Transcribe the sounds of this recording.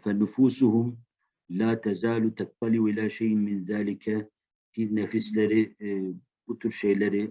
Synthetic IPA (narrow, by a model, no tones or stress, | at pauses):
fanʊfuːsʊhʊm | laːt̪azaːlut̪ɑt̪ˤːɑliwʔɪlaʃajʔmɪnðaːlɪka | finafɪslaɾɪ | bʊt̪ʊɾʃeːlaɾɪ